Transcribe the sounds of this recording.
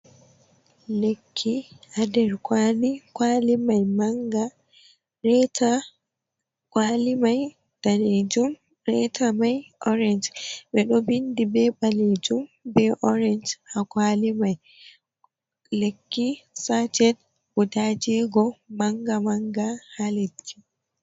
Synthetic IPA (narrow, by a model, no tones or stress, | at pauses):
lekʰːiadɛɾkʰwalikwalimajmaŋɡa | ɾɛta | kwalimaj | d̥aled͡ʒum | ɾɛtʰamajʔɔɾɛnd͡ʒɓɛɗɔbindibɛbaled͡ʒumbɛʔɔɾɛnd͡ʒhakwalimaj | lekːisad͡ʒɛd | budad͡ʒɛɡɔmaŋɡamaŋɡahalekʰːi